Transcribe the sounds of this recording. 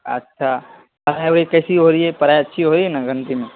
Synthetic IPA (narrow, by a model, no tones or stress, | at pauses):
ɐ̰tːʃʰa | pɐɾaːjɦoːɾikɐːsiɦoːɾiɛpɐɾaːjɐtːʃʰiɦoːɾienaɡə̃nt̪imẽ